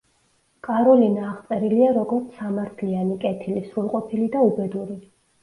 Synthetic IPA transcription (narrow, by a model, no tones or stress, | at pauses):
kʼaɾɔlinaːχt̪sʼɛɾiliaɾɔɡɔɾt̪sʰamaɾt̪ʰlianikʼɛt̪ʰilisɾulˠqʼɔpʰilid̪aubɛd̪uɾi